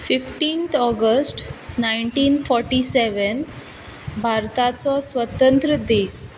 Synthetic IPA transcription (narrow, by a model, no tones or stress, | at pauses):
fifʈiːnt̪ʰɔɡəsʈnaiɳʈiːnfɔɾʈiseʋən | bʱaɾt̪at͡sɔsʋət̪ənt̪ɾəd̪iːs